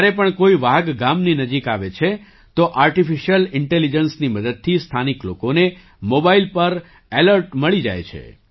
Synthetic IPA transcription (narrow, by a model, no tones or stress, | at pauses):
aɾepəɳkoiʋaɡɡamninəd͡ʒikaʋet͡ʃʰe | t̪oʔaɾʈifiʃijəlɪɳʈelid͡ʒənsniməd̪əd̪̚t̪ʰist̪ʰaniklo̰kone | mobailpəɾ | eləɾʈməɭid͡ʒa̰jt͡ʃʰḛ